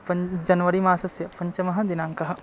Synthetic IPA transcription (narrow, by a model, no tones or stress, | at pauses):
pɐd͡ʒɐnʋɐɾimaːsɐsjɐpɐɲt͡ʃɐmɐɦɐ̆d̪ɪnaːŋkɐɦɐ̆